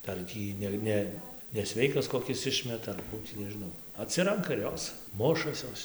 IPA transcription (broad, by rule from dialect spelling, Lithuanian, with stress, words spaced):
ˈdɐr ˈtʲiː nʲɛ ˈnʲɛ nʲɛˈsʲʋʲɛɪkɐs koːˈkʲɪs ˈɪʃʲmʲɛtɐ ɐr ˈkuː tʲiː nʲɛʒʲɪˈnɐʊ ɐˈtʲsʲɪrɐŋkɐ ɪr ˈjoːs ˈmʊʃɐs ˈjoːs